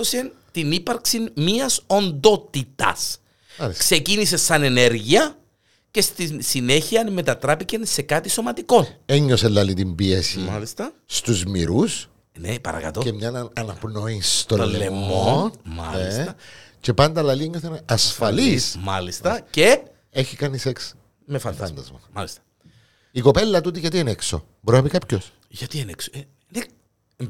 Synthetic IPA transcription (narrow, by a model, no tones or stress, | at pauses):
osent̪inipɐɾksinmiɐso̞nd̪o̞t̪it̪ɐ̰s | lskse̞cinis̬esɐne̞ne̞ɾʝiɐ | ce̞st̪isine̞çiɐnme̞t̪ɐt̪ɾɐpice̞nse̞kɐt̪iso̞mɐt̪iko̞neɲːoselːɐlit̪imbiesimɐlist̪ɐst̪uzmiɾus | nepɐ̰ɾɐ̰kɐ̰t̪o̞emɲɐnɐnɐnɐpno̞ist̪olːleemːonmɐ̰elisɐce̞pɐnd̪ɐlɐlieɲːoθenɐsfɐlismɐlist̪ɐce | eçikɐniseks | mefɐnd̪ɐnd̪ɐzmɐmɐlist̪ɐ̥ | iko̞pe̞lːɐt̪ut̪̬iʝɐt̪ienekso̰ | boɾinɐpikapços | ʝɐt̪ieneks | ne